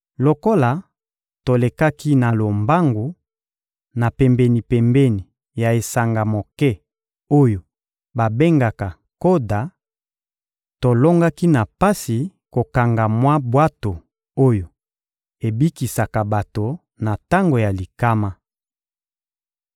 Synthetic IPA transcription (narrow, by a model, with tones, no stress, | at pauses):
lo˨ko˦la˨ | to˨le˨ka˦ki˦na˨lo˨mba˦ŋɡu˨ | na˨pɛ˨mbɛ˨ni˨pɛ˨mbɛ˦ni˨ | ja˨e˨sa˨ŋɡa˨mo˨kɛ˦ | o˦jo˨ | ba˨be˦ŋɡa˨ka˨ | ko˦da˨ | to˨lo˦ŋɡa˦ki˦na˨pa˦si˨ko˨ka˨ŋɡa˨mwa˦bwa˦to˨ | o˦jo˨ | e˨bi˦ki˨sa˨ka˨ba˨to˨ | na˨ta˦ŋɡo˨ja˨li˨ka˦ma˦